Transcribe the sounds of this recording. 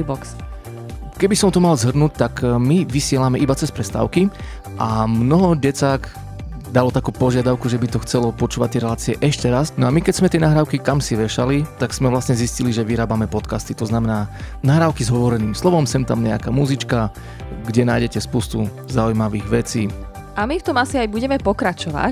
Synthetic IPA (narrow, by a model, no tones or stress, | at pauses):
bɔks | kɛbisɔmt̪ɔmalzɦr̩nuc̚t̪akmiʋisɪɛlamɛʔibat͡sɛspɾɛst̪a̰ːʊki | ʔamnɔɦɔɟɛt͡saːɡ | d̪alɔt̪akuːpɔʒɪad̪aʊkuʒɛbit̪ɔxt͡sɛlɔpɔt͡ʃuːʋac̚t̪ːɪɛɾɛlaːt͡siɛʔɛʃcɛɾasnɔamikɛcz̥mɛt̪ɪɛnaɦɾaːʊkikamsiʋɛʃalit̪aɡz̥mɛʋlasɲɛzisciliʒɛʋiɾaːbamɛpɔt̪kast̪it̪ɔznamɛnaːnaɦɾaːʊkizɦɔʋɔɾɛniːmslɔʋɔmsɛmt̪amɲɛakamuzit͡ʃka | ɡɟɛnaːjɟɛcɛspuːst̪u | zaujmaʋiːɣʋɛt͡siː | ʔamift̪ɔmasiajbuɟɛmɛpɔkɾat͡ʃɔʋa̰c